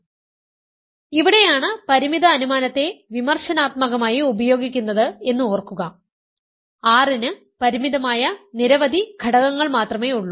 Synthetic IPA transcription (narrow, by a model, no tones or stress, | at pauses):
iʋiɽe̞jaːɳɨpɐɾimid̪ɐːnumaːnɐt̪ːe̞ʋimɐrʂɐnaːt̪mɐɣɐmaːjiubɐjo̞ːɡik̬ʲːunːɐðɨe̞nːɨoːrkːuɣɐ | aːrinɨ | pɐɾimiðɐmaːjɐniɾɐʋɐd̪ʱiɡʱɐɽɐɣɐŋːɐɭmaːt̪rɐme̞ːuɭːu